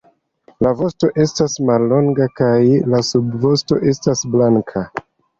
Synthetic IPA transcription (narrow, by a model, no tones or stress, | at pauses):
lavo̞sto̞ʔe̞stasmalːo̞ŋɡakajlasubvo̞sto̞ʔe̞stasblaŋkʰa